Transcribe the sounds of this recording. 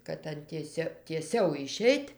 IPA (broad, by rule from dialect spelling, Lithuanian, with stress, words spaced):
kɐt ˈɐn tʲiɛˈsʲoː tʲiɛˈsʲɛʊ ɪˈʃʲɛɪtʲ